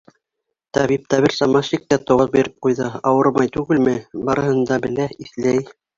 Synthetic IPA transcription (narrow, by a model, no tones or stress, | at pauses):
t̪ɑβip̚t̪æβɘɾsɑmɑʃik̚t̪æt̪ŏʁɤbiɾɘp̚qujðɤɑwɤɾmɑjt̪ʉɡɘlmɘbɑɾɤ̆hɤ̆nd̪ɑbɘ̆læiθlæj